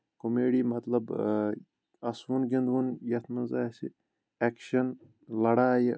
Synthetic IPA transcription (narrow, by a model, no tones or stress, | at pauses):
komeːɽiːmɐt̪lɐb | ɐsʋunɡind̪ʋunjɐt̪ʰmɐnzaːsḭ | ekʃɐn | lɐɽaːji